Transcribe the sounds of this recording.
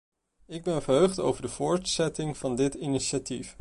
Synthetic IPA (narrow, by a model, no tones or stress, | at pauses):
ɪɡ̚bɛnvəɹɦøɥχto̰wvəɹdəv̥ʊːɹtsɛtɪŋv̥ɑndɪtiniʃatif